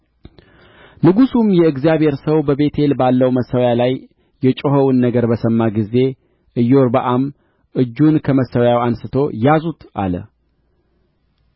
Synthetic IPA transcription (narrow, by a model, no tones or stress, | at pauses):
lɨɡusumjɛɨɡzijaβhe̞ɾsəwbəβe̞t̪ʰe̞lbalːəwməsːəwjalajː | ɛt͡ʃʼoɦəwunːəɡəɾbəsəmːaɡize̞ | ʔɨjoɾbəʔam | ʔɨd͡ʒːunkʰəməsːəwjawansɨt̪ʰo̞jazut̪ʔa̰lə̰